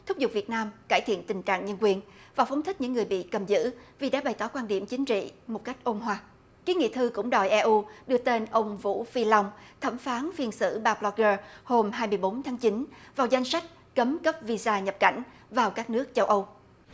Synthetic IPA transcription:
t̪ʰʊ˦˥k͡p̚zʊ˨˩k͡p̚vi˨˩ət̚naː˧mkaː˧˩jt̪ʰḭ˧˨ənt̪ï˨˩ŋt͡ɕa̰ː˧˨ŋɲə˧nkwi˨˩ənvaː˨˩wfə˨˦wŋ͡mt̪ʰi̟˦˥ɲɨ̰˧˥ŋːɨ˨˩əjɓḭ˧˨kə˨˩mzɨ̰˧˥vi˨˩ɗa̰ː˧˥ɓa˨˩jt̪ɔ˧˩˦kwaː˧nɗi˧˩əmt͡ɕï˨˦ŋ̟t͡ɕḭ˧˨mo˨˩t̚ka˦˥jk̟̚ʔo˧nɦwaː˧˩ | ki˨˦ŋḭ˧˨t̪ʰɨ˧kʊ̰˧˥ŋ͡mɗɔ̰˨˩jʔɛ˧ʔu˧ɗɨ˧ət̪e˧nʔə˧wŋ͡mvṵ˧˥fi˧la˧wŋ͡mt̪ʰə˧˩mfaː˨˦nfi˧ənsɨ̰˧˥ɓaː˧ɓlɔ˧kəː˧ho˧mɦaː˧jmɨ˧əjɓo˨˦nt̪ʰaː˨˦ŋt͡ɕi˨˦nvaː˨˩wza˧jŋ̟sa˦˥jk̟̚ | kə˨˦mkə˦˥p̚vi˧zaː˧ɲə˨˩p̚ka˧˩jŋ̟ | vaː˨˩wkaː˦˥k̚nɨ˦˥ək̚t͡ɕə˧wʔə˧w

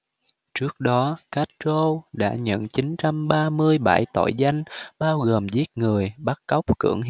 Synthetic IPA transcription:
t͡ɕɨ˦˥ək̚ɗɔ˨˦ka˦˥t̚t͡ɕo˧wɗa̰ː˧˥ɲə̰˧˨nt͡ɕi˨˦nt͡ɕa˧mɓaː˧mɨ˧əjɓa˧˩jt̪o̰˧˩jza˧jŋ̟ɓaː˧wɣoː˨˩mzi˦˥ət̚ŋɨ˨˩əjɓa˦˥t̚kɔ˦˥wk͡p̚kɨ̰˧˩əŋ

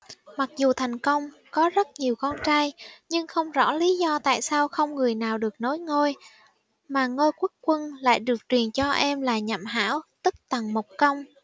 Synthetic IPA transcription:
ma˨˩k̚zu˨˩t̪ʰa˨˩jŋ̟kə˧wŋ͡m | kɔ˨˦zə˦˥t̚ɲi˨˩əwkɔ˧nt͡ɕaː˧jɲɨ˧ŋxə˧wŋ͡mzɔ̰˧˥li˨˦zɔ˧t̪a̰ː˧˨jsaː˧wxə˧wŋ͡mŋɨ˨˩əjnaː˨˩wɗɨ˨˩ək̚no˨˦jŋo˧j | maː˨˩ŋo˧jku˦˥ək̚kwə˧nla̰ː˧˨jɗɨ˨˩ək̚t͡ɕwi˨˩ənt͡ɕɔ˧ʔɛ˧mlaː˨˩ɲa̰˧˨mɦa̰ː˧˥wt̪ɨ˦˥k̚t̪a˨˩ŋmo˨˩wk͡p̚kə˧wŋ͡m

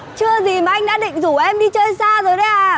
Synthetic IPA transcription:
t͡ɕɨ˧əzi˨˩maː˨˩ʔa˧jŋ̟ɗa̰ː˧˥ɗḭ̈˧˨ŋ̟zu˧˩ʔɛ˧mɗi˧t͡ɕəː˧nsaː˧zo˨˩jɗə˧˨˦ʔaː˨˩

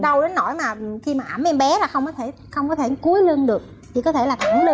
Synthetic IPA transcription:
ɗə˧wɗe˨˦nːo˧˩jmaː˨˩˨xi˧maː˨˩ʔa˧˩mʔɛ˧mɓɛ˨˦laː˨˩xə˧wŋ͡mkɔ˨˦t̪ʰe˧˩ | xə˧wŋ͡mkɔ˨˦t̪ʰe˧˩ku˨˦əjlɨ˧ənɗɨ˨˩ək | t̪ʰi˨˩kɔ˨˦t̪ʰe˧˩laː˨˩a˧˩nlɨ˧

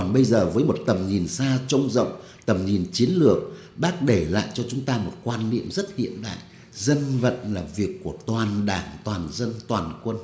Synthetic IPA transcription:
a˧˩nɓə˧jzəː˨˩vəː˨˦jmo˨˩t̚t̪ə˨˩mɲi˨˩nsaː˧t͡ɕə˧wŋ͡mzə̰˧˨wŋ͡m | t̪ə˨˩mɲi˨˩nt͡ɕi˨˦ənlɨ˨˩ək̚ | ɓaː˦˥t̚ɗe˧˩la̰ː˧˨jt͡ɕɔ˧t͡ɕʊ˨˦ŋ͡mt̪aː˧mo˨˩t̚kwaː˧nːḭ˧˨əmzə˦˥t̚hḭ˧˨ənɗa̰ː˧˨jʔ | zə˧nvə̰˧˨nlaː˨˩vi˨˩əkːu˧˩ət̪waː˨˩nɗaː˧˩ŋt̪waː˨˩nzə˧nt̪waː˨˩nkwə˧n

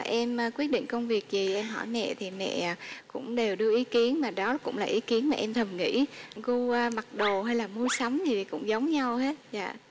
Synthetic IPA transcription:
ʔɛ˧mː˧kwi˦˥ət̚ɗḭ̈˧˨ŋ̟kə˧wŋ͡mvi˨˩ək̚zi˨˩ʔɛ˧mɦɔ̰˧˩jmɛ̰˧˨t̪ʰi˨˩mɛ̰˧˨˩kʊ̰˧˥ŋ͡mɗe˨˩wɗɨ˧əʔi˨˦ki˨˦ənmaː˨˩ɗɔ˨˦kʊ̰˧˥ŋ͡mlaː˨˩ʔi˨˦ki˨˦ənmaː˨˩ʔɛ˧mt̪ʰə˨˩mŋḭ˧˥ɣo˧ma˨˩t̚ɗo˨˩ɦa˧jlaː˨˩mu˧əjsa˨˦wŋ͡mzi˨˩t̪ʰi˨˩kʊ̰˧˥ŋ͡mzə˨˦wŋ͡mɲa˧whe˦˥t̚za̰ː˧˨

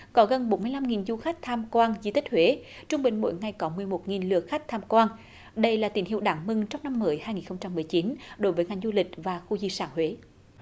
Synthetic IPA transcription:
kɔ˨˦ɣə˨˩nɓo˨˦mɨ˧əjla˧mŋi˨˩nzu˧xa˦˥k̟̚t̪ʰaː˧mkwaː˧nzi˧t̪ï˦˥k̚hwe˨˦ | t͡ɕʊ˧ŋ͡mɓï˨˩ŋ̟mo̰˧˥jŋa˨˩jkɔ˨˦mɨ˨˩əjmo˨˩t̚ŋi˨˩nlɨ̰˨ək̚xa˦˥k̟̚t̪ʰaː˧mkwaː˧n | ɗə˧jlaː˨˩t̪i˨˩˦nɦḭ˧˨əwɗaː˧˨˦ŋmɨ˧ŋt͡ɕɔ˧wŋ͡mna˧mːəː˨˦jhaː˧jŋi˨˩nxə˧wŋ͡mt͡ɕa˧mːɨ˨˩əjt͡ɕi˨˦nɗo˨˦jvəː˨˦jŋa˨˩ŋzu˧lï˨˩k̟̚vaː˨˩xu˧zi˧saː˧˩nhwe˨˦

